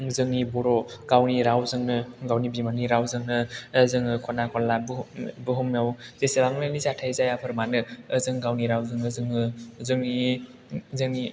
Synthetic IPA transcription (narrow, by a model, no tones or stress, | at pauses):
zɯŋnibɔɾɔɡ̥awniɾawzɯŋnɯɡawnibimaniɾawzɯŋnɯzɯŋɯkʰɔnakʰɔlːabbɯɦɯmjawzesebaŋnɯlizatʰajzajapʰɯɾmanɯːzɯŋɡawniɾawzɯŋɯzɯŋɯzɯŋni | zɯŋni